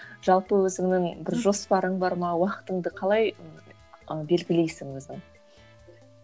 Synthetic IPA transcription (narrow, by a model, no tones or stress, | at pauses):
ʒ̥ɑlˠpəwɵzɪŋnɪŋbɪɾʒo̞spɑɾəɴbɑɾmənɑwɑqə̥t̪əɴd̪əqʰɑlˠɑj | be̞lɡʲɪle̞jsɪŋwɵzd̪ɪŋ